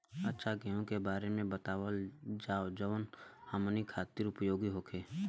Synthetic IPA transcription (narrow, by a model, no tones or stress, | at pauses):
ətːʃʰaɡɛɦõkebaːɾemẽbət̪aːʋəld͡ʒaːod͡ʒəʋənhəmnikʰaːt̪iɾʊpjoːɡiɦoːkʰeː